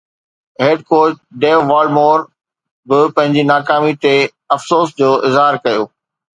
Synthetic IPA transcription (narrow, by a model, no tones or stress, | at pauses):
ɦeːɖkoːt͡ɕɖeːʋʋaːlɖmoːɾ | bɪpɐ̃ɦɪ̃ɲd͡ʑinaːkaːmit̪e | ɐfsoːsd͡ʑoːʔɪzɦaːɾkɐjoː